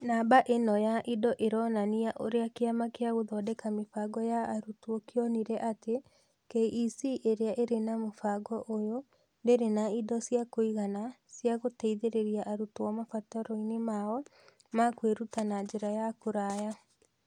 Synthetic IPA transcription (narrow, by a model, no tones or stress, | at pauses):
nabaʔenɔjaʔidɔʔeɾɔnaniaʔoɾeakeamakeaɣoðɔdɛkamefaɡɔjaːɾutuokeɔniɾɛʔate | keisiʔeɾeaʔeɾenamofaɡɔʔojo | ndeɾenaidɔsjakoiɣana | sjaɣotɛiðeɾeɾiaʔaɾutowamafataɾɔinemaɔ | makweɾutanad͡ʒeɾajakoɾaja